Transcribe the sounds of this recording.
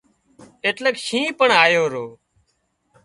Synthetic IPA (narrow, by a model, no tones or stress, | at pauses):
eːʈləkʃĩːpəɳaːjoːɾoː